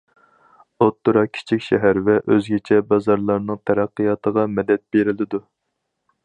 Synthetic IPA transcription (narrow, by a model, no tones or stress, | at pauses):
ot̪ːuɾɑkʲʰi̥t͡ʃʰikʲʃɛɦæɾvɛʔøzɡʲet͡ʃʰɛbɑzɑɾlˠɑɾnɨŋt̪ʰɛɾæqːijɑt̪ʰəʁɑmɛd̪ɛt̪̚b̥eɾɪlɪd̪u